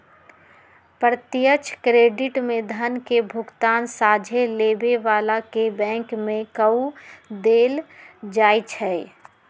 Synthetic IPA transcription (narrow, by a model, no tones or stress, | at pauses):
pɾət̪ɪjət͡ʃkɾeːɖɪʈmẽd̪ʱənkebʱʊɡt̪aːnsaːd͡ʒʱeleːbeʋaːlakebɛ̃ːŋkmẽkəud̪eːld͡ʒaːit͡ʃʰɛ